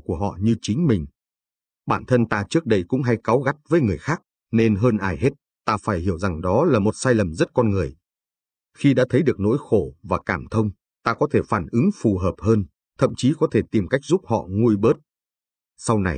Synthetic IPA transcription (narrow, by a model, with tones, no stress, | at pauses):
ku˧˩əɦɔ̰˧˨ɲɨ˧t͡ɕï˨˦ŋ̟mï˨˩ŋ̟ | ɓaː˧˩nt̪ʰə˧nt̪aː˧t͡ɕɨ˦˥ək̚ɗə˧jkʊ̰˧˥ŋ͡mɦa˧jka˨˦wɣa˦˥t̚vəː˨˦jŋɨ˨˩əjxaː˦˥k̚ | ne˧nɦəː˧nʔaː˧˩jɦe˦˥t̚ | t̪aː˧faː˧˩jhi˧˩əwza˨˩ŋɗɔ˨˦laː˨˩mo˨˩t̚saː˧jlə˨˩mzə˦˥t̚kɔ˧nŋɨ˨˩əj | xi˧ɗa̰ː˧˥t̪ʰə˨˦jɗɨ˨˩ək̚no̰˧˥jxo˧˩vaː˨˩kaː˧˩mt̪ʰə˧wŋ͡m | t̪aː˧kɔ˨˦t̪ʰe˧˩faː˧˩nʔɨ˨˦ŋfu˨˩ɦəː˨˩p̚həː˧n | t̪ʰə̰˧˨mt͡ɕi˨˦kɔ˨˦t̪ʰe˧˩t̪i˨˩mka˦˥jk̟̚zu˦˥p̚hɔ̰˧˨ŋu˧əjɓəː˦˥t̚ | sa˧wna˨˩j